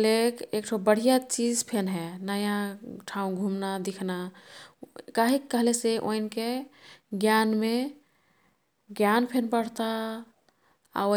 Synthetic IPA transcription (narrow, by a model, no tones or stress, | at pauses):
lekek̚ʈʰobəɽ̤ijat͡ʃid͡ʒpʰenɦɛnəjãʈʰaũɡʱumnad̪ikʰna | kaɦikːəɦleseʔo̰inkeɡjanme | ɡjanpʰenpəɽ̤t̪a | a̰o